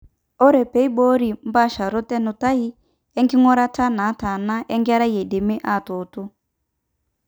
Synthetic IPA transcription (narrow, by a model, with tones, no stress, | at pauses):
ɔ˦ɾɛ˨pɛ˨˦i˦bɔ˦ɾi˨m̩˦ba˦˨ʃa˨ɾɔ˦tɛ˦nʊ˨ta˦i˦ | ɛ˦ŋɡi˦ŋɔ˦ɾa˦ta˦na˨˦ta˨na˦ʔɛ˦ŋɡa˦ɾa˦jɛ˨de˨me˦ʔa˦˨to˨tʊ˦